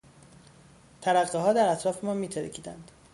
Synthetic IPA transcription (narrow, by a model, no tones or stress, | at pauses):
t̪ʰæɾæɢːeɦɒːd̪æɾæt̪ʰɾɒːfe̞mɒːnmiːt̪ʰeɾ̰cʰiːd̪æ̰nd̪̥